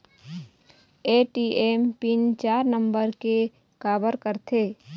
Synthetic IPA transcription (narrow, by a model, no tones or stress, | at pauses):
eːʈiːʔeːmpint͡ʃaːɾnə̃mbəɾke | kaːbəɾkəɾt̪ʰeː